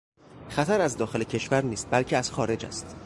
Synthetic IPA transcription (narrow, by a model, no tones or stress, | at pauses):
xæt̪ʰæɾæzd̪ɒːxe̞lecʰe̞ʃvæɾniːst̪̚bælcʰeæz̥xɒːɾe̞d͡ʒæ̰st̪